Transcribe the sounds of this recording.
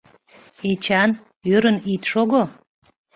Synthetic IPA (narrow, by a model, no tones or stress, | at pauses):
et͡ɕɑn | øɾənit̪ʃoɣo